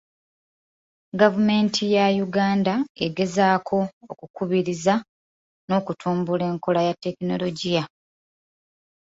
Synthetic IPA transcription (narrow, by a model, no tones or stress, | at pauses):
ɡavume̞ːntʰijajuɡaːndaeɡe̞zaːkʰo̞ːkukuβiɾiza | no̞ːkutʰuːmbule̞ːŋko̞lajatːe̞kino̞lo̞ɟija